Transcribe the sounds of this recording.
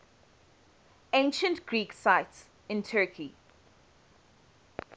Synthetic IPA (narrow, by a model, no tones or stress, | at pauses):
ẽnʃə̃ntɡ̥ɹiːksaɪts | ɪ̃ntʰɜkʰi